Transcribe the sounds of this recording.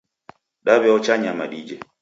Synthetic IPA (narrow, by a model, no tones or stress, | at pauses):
ɗaβɛɔt͡ʃaɲamaɗid͡ʒɛ